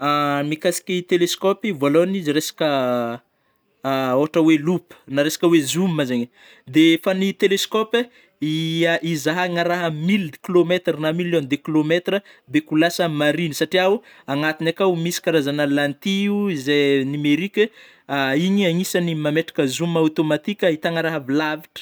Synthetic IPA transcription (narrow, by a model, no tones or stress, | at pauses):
amikasi̥kʲit̪eleskopivoaloniziɾesḁkə | oaʈ͡ʂəwelupə̥naɾesḁkʲəwezumːazeɲ | d̪efanit̪eleskɔpe | iaʔizaɦaŋaɾaɦəmilkilomet̪rənamilond̪ekilomet̪rə | bekulasəmaɾinisaʈ͡ʂiaw | aŋat̪inakawmisi̥kaɾazanallant̪iuizenimeɾikʲə | aiɲiaŋisənimameʈ͡ʂḁkəzumːawt̪omat̪ikʲəit̪aŋaɾaɦəvilaviʈ͡ʂə̥